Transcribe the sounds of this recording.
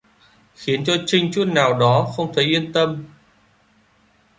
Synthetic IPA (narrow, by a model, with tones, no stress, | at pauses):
xi˨˦ənt͡ɕɔ˧t͡ɕï˧ŋ̟t͡ɕu˦˥t̚naː˨˩wɗɔ˨˦xə˧wŋ͡mt̪ʰə˨˦jʔi˧ənt̪ə˧m